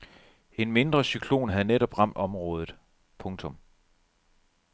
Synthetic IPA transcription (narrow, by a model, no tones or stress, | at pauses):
e̝nme̝nd̥ʁɐsykʰlo̝̰ːnɦæð̩ˠneɾɒ̽b̥ʁɑ̈m̰d̥ɒ̽mʁɔ̽ːð̞ˠð̩ˠ | pʰɔ̽ŋt͡sʰɔ̽m